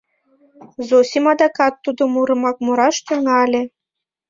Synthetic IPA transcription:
zosʲimɑd̪ɑkɑt̪ːud̪omuɾɤ̆mɑk̚muɾɑʃt̪yŋɑlʲĕ

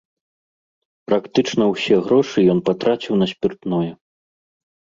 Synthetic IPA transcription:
pɾakt̪ɨt͡ʂnɐwsʲɛɣɾɔʂɨjɔnpat̪ɾat͡sʲiwnɐsʲpʲirt̪nɔjɛ

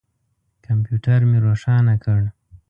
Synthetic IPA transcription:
kampjuʈaɾmeɾoʂɑnakəɽ

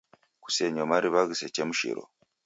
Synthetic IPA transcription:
ku̥seɲomaɾiβaɣisecemuʃḭɾo̰

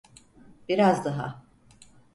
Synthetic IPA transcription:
b̥iɾazd̪aɦa̰

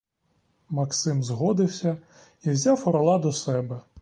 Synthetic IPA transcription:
mɐksɪmzɦɔd̪ɪwsʲɐ | iwzʲawɔɾɔlˠɑd̪ɔsɛbɛ

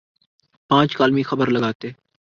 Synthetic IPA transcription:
pãːt͡ʃkaːlmĩːxəbəɾləɡaːt̪e

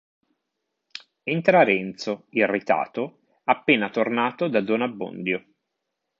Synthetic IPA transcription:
ent̪ɾaɾɛnt̪soirːit̪a̰ːt̪o | apːeːnat̪ornaːt̪od̪ad̪onabːo̰nd̪jo

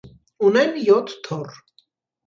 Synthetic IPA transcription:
unɛnjɔt̪ʰt̪ʰɔr

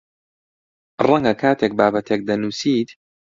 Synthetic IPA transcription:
rˤɐŋɡɐkʰaːt̪ʰeːk̚baːbɐt̪ʰek̚d̪ɐnuːsiːt̪

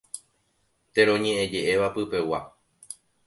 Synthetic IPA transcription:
t̪e̞ɾõ̞ɲẽ̞ʔẽd͡ʒe̞ʔe̞ʋapɨpe̞wa

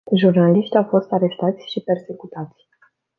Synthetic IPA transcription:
ʒurnaliʃt̪ʲawfo̞st̪aɾe̞st̪at̪sʲʃipe̞rse̞kut̪at̪sʲ

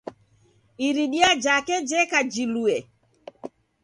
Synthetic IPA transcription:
iɾiɗiad͡ʒakɛd͡ʒɛkad͡ʒiluɛ

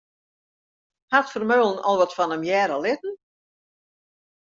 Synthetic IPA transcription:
hatfərmøːlˠən̩ʔɔ̰lˠʋɔtfɔnəmjɛːɾəlɪt̚ən̩

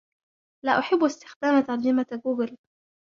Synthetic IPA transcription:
laːʔʊħɪbːʊɪst̪ɪ̥xd̪aːmat̪ɑɾˤd͡ʒɪmaɡuːɡɪl

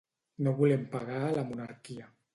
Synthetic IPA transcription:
noβulɛmpaɣaːlamunaɾkia

